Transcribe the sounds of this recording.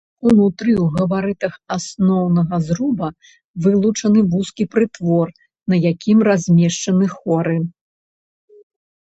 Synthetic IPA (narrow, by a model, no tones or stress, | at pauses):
unut̪ɾɨwɣɐvaɾɨt̪ɐxasnɔwnɐɣɐzɾubɐ | vɨlˠut͡ʂɐnɨvuskʲipɾɨt̪vɔr | nɐjakʲimrazʲmʲɛʂt͡ʂɐnɨxɔɾɨ